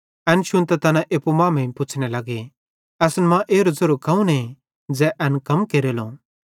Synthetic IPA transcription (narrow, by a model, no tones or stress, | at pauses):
ɛnʃʊnt̪ɛt̪ɐnãʔeːpumãːmɛ̃ĩpʊt͡ʃʰnelɐɡe | ɛːsnɛmãʔeːɾozɐɾuɾkɐ̃ũnẽ | d͡zɛʔɛnkɐmkeːɾelõː